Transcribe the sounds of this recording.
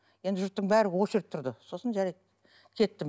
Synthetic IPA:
je̞nd̪ɪʒʊɾt̪ːəɴbæɾɪwoʃəɾpt̪ʰʊɾd̪əso̞sənʒæɾej | kʲʰe̞t̪ːɪm

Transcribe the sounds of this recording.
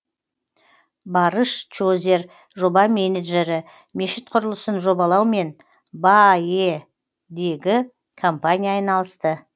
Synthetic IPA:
bɑɾəʃt͡ʃozʲe̞ɾ | ʒo̞bɑmʲe̞neʒe̞ɾɪ | me̞ʃɪt̪̚qʰʊɾəlˠəsənʒo̞bɑlˠɑwme̞n | baje | d̪e̞ɡʲɪ | kʰo̞mpanʲijɑɑjnɑlˠəst̪ə

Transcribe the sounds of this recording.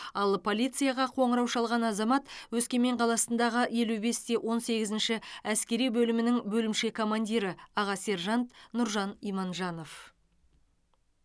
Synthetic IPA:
ɑlˠpʰo̞lʲijt̪sɨjaʁɑqʰo̞ɴəɾɑwʃɑlˠʁɑnɑzɑmɑt̪wɵzkʲe̞me̞ɴqʰɑlˠɑsənd̪ɑʁəje̞lube̞st̪e̞wʔo̞nse̞ɡʲɪzɪnʃɪæskʲe̞ɾijbɵlɪmɪnɪŋbɵlɪmʃe̞kʰo̞mand̪ʲiɾəɑʁɑse̞ɾʒɑnt̪nʊɾʒɑnijmɑnʒɑno̞f

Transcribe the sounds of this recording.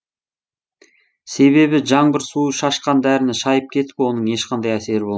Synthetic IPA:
se̞βe̞βɪʒɑɴbɪɾsuəʃɑʃqɑnd̪æɾɪnɪʃɑjəp̚kʲʰe̞t̪ɪ̥pwo̞nəɴe̞ʃqʰɑnd̪ɑjæse̞ɾɪbo̞lˠ

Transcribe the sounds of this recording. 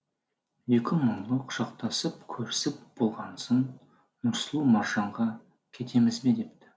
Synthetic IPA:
e̞kʲɪməɴlˠəqʰʊ̥ʃɑq̚t̪ʰɑsəp̚kʲʰɵɾɪsɪp̚b̥olˠʁɑnsən | nʊɾsəlˠumɑɾʒɑɴʁɑ | kʲʰe̞t̪ʰe̞mɪzbe̞d̪e̞p̚t̪ɪ̥

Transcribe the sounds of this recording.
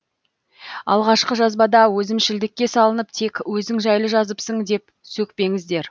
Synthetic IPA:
ɑ̰lˠʁɑʃqəʒɑzbɑd̪ɑwɵzɪmʃɪld̪ɪkʲːe̞sɑlˠənəp̚t̪ʰe̞kwɵzɪŋʒæjlˠəʒɑzəpsəɴd̪e̞p | sɵk̚pe̞ŋɪzd̪e̞ɾ

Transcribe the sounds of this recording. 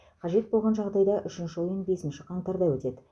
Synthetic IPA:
qʰɑʒe̞t̪̚bo̞lˠʁɑnʒɑʁd̪ɑjd̪ɑʔʏʃɪnʃɪojənbe̞sɪnʃɪqʰɑɴt̪ɑɾd̪ɑwɵt̪e̞d̪ɪ

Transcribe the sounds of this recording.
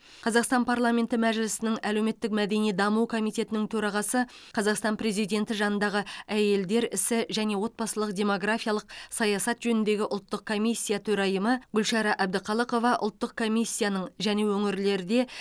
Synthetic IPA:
qʰɑzɑqst̪ɑnpʰarlˠamʲe̞nt̪ɪmæʒɪlɪsɪnɪŋæle̞wme̞t̪ːɪk̚mæd̪e̞nijd̪ɑməwkʰo̞mijt̪ʲe̞t̪ɪnɪŋt̪ʰɵɾɑʁɑsə | qʰɑzɑqst̪ɑnpre̞zijd̪ʲe̞nt̪ɪʒɑnənd̪ɑʁəæje̞ld̪e̞ɾɪsɪʒæne̞wo̞t̪̚bɑsəlˠəqd̪ʲe̞mo̞ɡrafijɑlˠəqsɑjɑsɑt̪ʒɵnɪnd̪e̞ɡʲɪʔʊlˠt̪ːəq̚kʰo̞mʲijsʲːijat̪ʰɵɾɑjəməɡʏlʃɑɾɑʔæb̚d̪ɪqʰɑlˠəqo̞vɑʔʊ̰lˠt̪ːəq̚kʰo̞mijsʲːijanəɴʒæne̞wɵŋɪɾle̞ɾɪd̪e̞

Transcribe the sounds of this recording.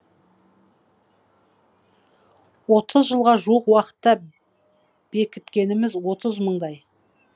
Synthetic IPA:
wo̞t̪ʰəzʒəlˠʁɑʒuwəqwɑqə̥t̪ːɑ | b̥e̞kʲɪt̪kʲe̞nɪmɪzwo̞t̪əzməɴd̪ɑj

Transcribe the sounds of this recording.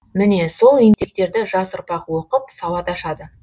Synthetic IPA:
mɪne̞so̞lˠent̪ek̚t̪e̞ɾd̪ɪʒɑsʊɾpɑqwo̞qəp̚sɑwɑt̪ɑʃɑd̪ə

